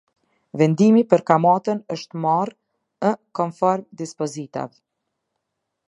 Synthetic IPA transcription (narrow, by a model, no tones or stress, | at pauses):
vɛnd̪imipəɾkamat̪ənəʃt̪mar | əkɔmfɔɾmd̪ispɔzit̪a̰v